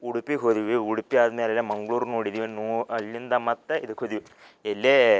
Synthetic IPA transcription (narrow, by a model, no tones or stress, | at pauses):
uɽupːikʰoðiʋɨuɽupːijaːðɨmeːlɐlːemɐŋɡɭuːrnuːɽiðiʋnuːɐlːind̪amɐt̪ːɐʔiðɨkʰoðiʋɨ | elːe